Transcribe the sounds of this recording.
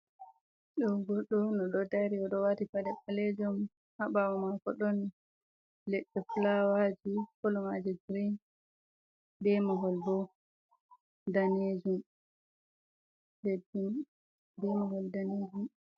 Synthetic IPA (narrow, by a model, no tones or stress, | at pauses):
ɗɔɡɔɗːɔnɔɗɔdaɾiɔɗɔwatipadɛpaled͡ʒum | haɓawɔmakɔɗɔn | lɛɗːɛfulawad͡ʒikolumad͡ʒɛd͡ʒɾin | dɛmɔɡɔlbɔ | daned͡ʒum | lɛdim | dɛmɔɡɔldaned͡ʒum